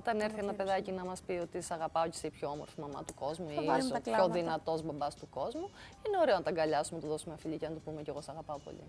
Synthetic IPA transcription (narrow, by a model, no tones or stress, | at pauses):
ot̪ɐne̞ɾθienɐpe̞ðɐcinɐmɐspio̞t̪isɐɣɐpɐoci̥seipçoomo̞ɾfimɐmɐ̰t̪uko̞zmuisçoðinɐt̪o̞zbɐbɐst̪uko̞zmu | ineo̞ɾe̞o̞nɐt̪ɐŋɡɐʎɐsumenɐt̪uðo̞sumeɐfiʎicenɐt̪upumeceɣosɐɣɐpɐopo̞̰ʎḭ